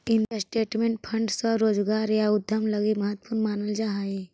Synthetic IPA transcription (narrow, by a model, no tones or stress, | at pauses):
ɪnkasʈeːʈmẽːɳʈ̚pʰə̃ɳɖsəɾoːd͡ʒɡaːɾjaʊd̪ʱəmləɡiməɦət̪ːpuɾnmaːnəld͡ʒaːɦae